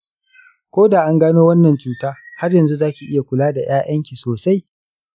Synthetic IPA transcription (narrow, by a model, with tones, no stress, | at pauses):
kʷoː˦daː˨ʔa˦ŋɡaː˦noː˦wɐ˦nːɐ˨nt͡ʃuː˦taː˦ha˦rjɐ˨nzu˦zaː˦kʲi˨ʔɪ˦ja˨kʷʊ˨laː˦da˨j̰aː˦ʔɐ˦ŋkʲi˨soː˨sa˦j